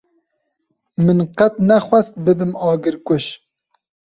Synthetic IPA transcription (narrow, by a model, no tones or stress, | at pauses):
mɨnqɛt̪̚nɛxʷɛst̪̚bɨbɨmɑːɡɨɾkʷʊʃ